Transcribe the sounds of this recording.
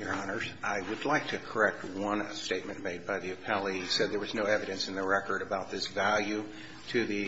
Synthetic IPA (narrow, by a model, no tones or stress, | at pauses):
jə˞ɑnə˞zaɪwɨdˡlaɪk̚tʰɨkʰə˞ɛk̚t̚wʌ̃nsteɪt̚mɨ̃nmeɪd̚baɪðiɨpʰɛlˠisɛd̪̚ðə˞wʌznoʊɛvɨɾɨ̃nsn̩ðɨɹɛkə˞ɾɨbaʊt̪̚ðɪsvælˠjʉ | ɾɨðɨ